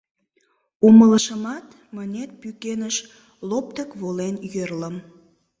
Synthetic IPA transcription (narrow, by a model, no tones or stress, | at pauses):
omələʃəmɑt̪ | mənʲet̪̚pykenəʃ | lop̚t̪əkβolenjərləm